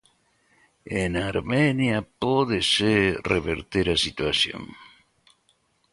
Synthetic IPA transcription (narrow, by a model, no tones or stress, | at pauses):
enaɾmenjapoðesereβḛɾt̪eɾasit̪wasjõ̰ŋ